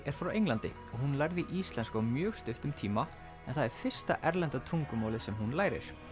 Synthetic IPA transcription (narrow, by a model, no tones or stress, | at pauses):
ɛɾ̥fɾɔwejŋlant̪ɪ | ɔɣhunlajɾðɪʔiːst̪lɛnskawmjœːɣst̪ʏht̪ʏmt̪ʰiːma | ɛnθaðɛɾ̥fɪr̥st̪a̰ʔɛɾlɛnt̪at̪ʰuŋkʏmaːwlɪsɛmɦunlaːjɾɪ̰ɾ̥